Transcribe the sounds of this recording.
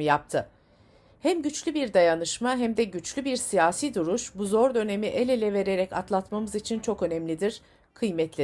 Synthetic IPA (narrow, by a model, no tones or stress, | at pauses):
jap̚t̪ʰɯ | hæmɟyt͡ʃlʲybiɾd̪ajanɯʃmaɦæmd̪ɛɟyt͡ʃlʲybiɾsijaːsiːd̪uɾuʃbuzo̞ɾd̪ø̞ne̞miʔe̞lʲelʲɛve̞ɾe̞ɾɛca̰t̪lˠat̪mamɯzit͡ʃʰint͡ʃʰo̞kø̞nɛmlʲid̪iɾ̥ | kʰɯjmɛt̪lʲe